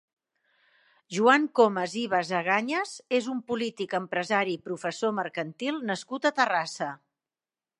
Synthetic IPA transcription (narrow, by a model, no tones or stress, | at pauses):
ʒuaŋkoməziβ̞əzəɣaɲəzezumpulit̪ikəmpɾəzaɾipɾufəsoməɾkənt̪ilˠnəskut̪ət̪ərasə